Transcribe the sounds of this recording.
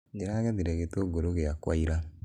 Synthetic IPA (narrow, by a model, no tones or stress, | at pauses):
d͡ʒeɾaːɣaðiɾɛɣetoɡoɾoɣeakwaiɾa